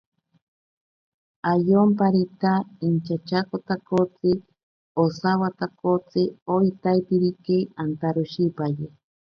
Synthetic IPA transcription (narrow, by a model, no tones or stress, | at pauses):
ajompaɾit̪aint͡ʃat͡ʃakot̪akot͡sɨ | osawat̪akot͡sɨoit̪ajpiɾikeant̪aɾoʃipaje